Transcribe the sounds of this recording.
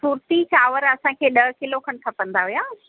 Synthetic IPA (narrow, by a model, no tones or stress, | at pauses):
suːɾt̪it͡ɕaːʋəɾɐsãkʰeːɗɐɦ̆kɪlokʰɐ̃ɳ̆ʈ̪ʰɐpɐ̃n̆d̪aɦujaː